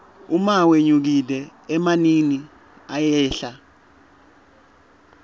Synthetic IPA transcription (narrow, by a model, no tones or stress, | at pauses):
umaweɲuk̬ilɛːmanini | ajɛːɬa